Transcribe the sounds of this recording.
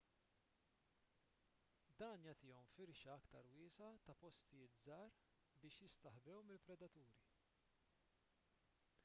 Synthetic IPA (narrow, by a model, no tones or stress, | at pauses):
d̪ɐːnjɐt̪ɪːɔmfɪɾʃɐɐkt̪ɐɾwɪːsɐt̪ɐpɔst̪ɪjɪːt̪zɐːɾ | bɪːʃjɪst̪ɐħbɛwmɪlpɾɛd̪ɐt̪uːɾi